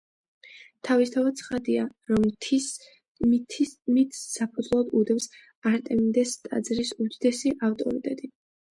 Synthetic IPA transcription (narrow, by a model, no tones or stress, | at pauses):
t̪ʰavist̪ʰavad̪t̪sʰχad̪iaɾɔmt̪ʰ | t̪ʰmit̪ʰːapʰud̪zlˠad̪ud̪ɛms | aɾt̪ʼɛmid̪ɛst̪ʼa̰d̪zɾisud̪id̪ɛsiʔaft̪ʼɔ̰ɾit̪ʼɛd̪i